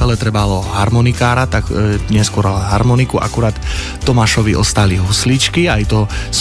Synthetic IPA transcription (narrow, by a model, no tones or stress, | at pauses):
ɛlɛt̪ɾɛbalɔɦaɾmɔnikaːɾat̪akɲɛskʊɔɾɦaɾmɔnikuʔa̰kuɾaːt̪ː | ɔmaʃɔʋiʔɔst̪aliɦuslit͡ʃkiajt̪ɔs